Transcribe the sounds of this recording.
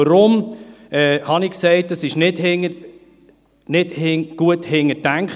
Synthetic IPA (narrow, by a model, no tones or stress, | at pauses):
əɾʊmɛːhɑnɪksɛɪt̚d̥ɑsɪʃnɪdhɪŋə | nɪdhɪɡ̥uəthɪŋːətæŋkχ